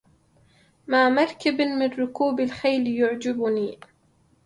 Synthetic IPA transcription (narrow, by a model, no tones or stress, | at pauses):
maːmaɾˤkɪbmɪnɾʊkuːbalxajljʊʕd͡ʒɪbʊniː